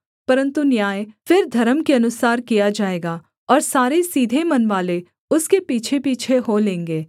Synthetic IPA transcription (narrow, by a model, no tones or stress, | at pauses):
pɐɾə̃nt̪unjaːjfɪɾd̪ʱɐɾəmkeɐnʊsaːɾkijad͡ʒaːeːɡaː | ɔːɾsaːɾesiːd̪ʱemɐnʋaːle | ʊskepiːt͡ʃʰepiːt͡ʃʰeɦolẽːŋɡeː